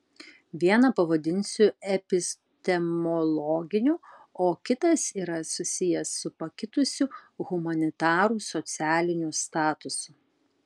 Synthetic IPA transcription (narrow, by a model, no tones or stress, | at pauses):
ʋʲiɛnɐpɐʋɐd̪ʲɪnʲsʲʊɛpʲɪsʲ | t̪ʲɛmɔlˠɔɡʲɪnʲuoːkʲɪt̪ɐsiːɾɐsʊsʲɪjɛsːʊpɐkʲɪt̪ʊsʲʊɣʊmɐnʲɪt̪ɑːɾuːsɔt̪sʲæːlʲɪnʲust̪ɑːt̪ʊsʊ